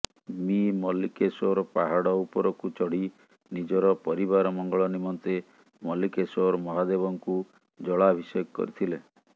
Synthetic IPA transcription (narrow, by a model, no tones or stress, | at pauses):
mimɔlikesoɾɔpaɦaɽɔupɔɾɔkut͡ʃɔɽ̤i | nid͡ʒɔɾɔpɔɾiβaɾɔmɔŋɡɔɭɔnimɔnt̪e | mɔlikesoɾmɔɦad̪ebɔŋku | d͡ʒɔɭabʱisɔjɔɡɔkɔ̰ɾit̪ʰile